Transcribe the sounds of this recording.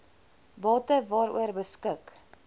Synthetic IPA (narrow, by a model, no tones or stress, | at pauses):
bɑːtəvɑːɾṵərbəskək